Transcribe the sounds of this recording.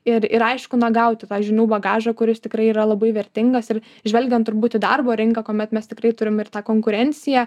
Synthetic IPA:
ɪrɪɾɐɪʃkʊnɐɡɐʊt̪ʲɪt̪ɑːʒʲɪnʲuːbɐɡɑːʒɐkʊɾʲɪst̪ʲɪkɾɐɪiːɾɐlˠɐbɐɪʋʲɛɾʲt̪ʲɪŋɡɐsɪr | ʒʲʋɛlʲɡʲɛnt̪ːʊɾbuːt̪ʲɪd̪ɐrboːɾʲɪŋkɐkoːmʲɛt̪mʲɛst̪ʲɪkɾɐɪt̪ʊɾʲɪmɪrt̪ɑːkoːŋkʊɾʲɛnʲt͡ssʲɪjæ

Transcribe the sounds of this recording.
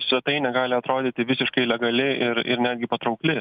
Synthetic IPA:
sʲʋʲɛt̪ɐɪnʲɛɡɑːlʲɪɐt̪ɾoːd̪ʲit̪ʲɪʋʲɪsʲɪʃkɐɪlʲɛɡɐlʲɪɪɾɪ̰ɾnʲæːd̪ʲɡʲɪpɐt̪ɾɐʊklʲɪ

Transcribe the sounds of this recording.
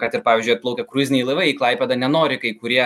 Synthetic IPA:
kɑt̪ɪɾpɑːʋʲiːzʲd͡ʒʊjɐt̪̚plˠɐʊkʲɛkɾuzʲɪnʲɛilˠɐɪʋɐɪiklˠɐɪpʲɛd̪ɑnʲɛnoːɾʲɪkɐɪkʊɾʲiɛ

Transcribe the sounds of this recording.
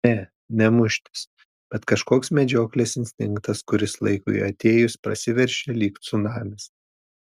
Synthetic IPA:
nʲɛ | nʲɛmʊʃʲt̪ʲɪ̥s | b̥ʲɛt̪kɐʃkoːksmʲɛd͡ʒʲoːklʲesɪnʲsʲt̪ʲɪŋkt̪ɐskʊɾʲɪslˠɐɪkʊ̰ɪɐt̪ʲeːjʊspɾɐsʲɪʋʲɛɾʲʃʲɛlʲiːkt̪sʊnɑːmʲɪs

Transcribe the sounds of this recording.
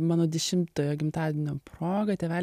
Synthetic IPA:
mɑːnoːd̪ʲɛʃʲɪmt̪oːjoːɡʲɪmt̪ɑːd̪ʲɪnʲopɾoːɡɐt̪ʲeɛʋʲæːlʲ

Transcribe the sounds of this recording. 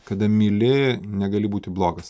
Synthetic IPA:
kɐd̪ɐmʲɪlʲɪnʲɛɡɐlʲɪbuːt̪ʲɪblˠoːɡɐs

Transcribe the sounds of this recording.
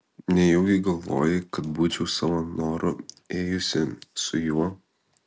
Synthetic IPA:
nʲɛjɛʊɡʲɪɡɐlˠʋo̰ːjɪkɐt̪̚buːt͡ʃʲɛʊsɑʋɐnoːɾʊ | eːjʊsʲɪsʊjuɔ

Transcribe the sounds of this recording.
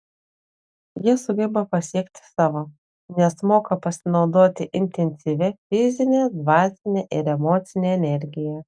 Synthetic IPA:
jiɛsʊɡʲɛbɐpɐsʲiɛkt̪ʲɪ̥sɑːʋoː | nʲɛsmoːkɐpɐsʲɪnɒʊd̪oːt̪ʲɪʔɪnʲt̪ʲɛnʲsʲiʋʲɛfʲɪzʲɪnʲeːd̪ʋɑːsʲɪnʲeʔɪɾɛmoːt̪sʲɪnʲeːɛnʲɛɾʲɡʲɪjɛ

